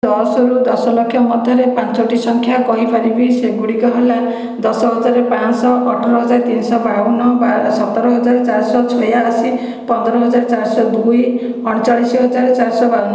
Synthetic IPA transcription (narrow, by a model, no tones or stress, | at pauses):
ɔsɔɾud̪ɔsɔlɔkʰːjɔmɔd̪ʱjɔɾepant͡ʃɔʈisɔŋkʰjakɔɦibʰʱaɾibiseɡuɽikɔɦela | d̪ɔsɔɦɔd͡ʒaɾepãnsɔʔːʈʰɔɾɔɦɔd͡ʒaɾt̪insɔbaunɔasɔt̪ɔɾɔɦɔd͡ʒaɾt͡ʃaɾsɔt͡ʃʰɔjaːsi | pɔnd̪ɔɾɔɦɔd͡ʒaɾt͡ʃaɾsɔd̪uj | ɔɽ̃t͡ʃaɭisiɦɔd͡ʒaɾt͡ʃaɾsɔbaunɔ